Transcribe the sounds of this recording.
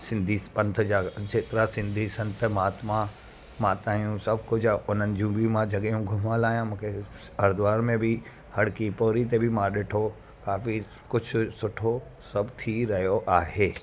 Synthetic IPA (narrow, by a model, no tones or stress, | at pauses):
sɪ̃nd̪ʱispɐ̃nt̪ʰd͡ʑaːd͡ʑeːt̪ɪɾasɪ̃nd̪ʱisɐ̃nt̪ʰəmaːt̪mã | mãːt̪aːijũsɐbkʊd͡ʑʱʊn̤ənɪ̆d͡ʑiũbij̃mãd͡ʑʱɐɠijũɡʱʊməlaːɦijãmũːkʰeɐɾd̪ʋaːɾmẽbɪ | hɐɽkipoːɾit̪̬ebɪmãɗɪʈʰo | kaːfi | kʊd͡ʑʱʊ̆sʊʈʰo | sɐbt̪ʰiɾɐɦijoʔaːɦeː